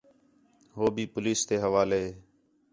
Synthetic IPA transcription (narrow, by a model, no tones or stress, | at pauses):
ɦoːbʱiːpʊliːst̪eːɦəʋaːleː